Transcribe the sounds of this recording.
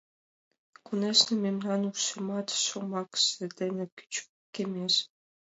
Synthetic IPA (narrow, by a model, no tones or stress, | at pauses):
kuneʃnʲĕmʲemnʲɑnuʃɤmɑt̪ʃŏmɑksɘ̆d̪ʲĕnʲɘ̆ky̥t͡ɕ | kʲemʲeʃ